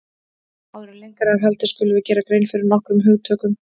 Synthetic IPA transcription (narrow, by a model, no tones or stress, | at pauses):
awðɾɛnlejŋkaɾaɦɛlt̪ɪ̥skcʏlʏvɪcɛːɾakɾeːjnfɪɾɪɾnɔhkɾʏmɦʏɣt̪ʰœːkʏm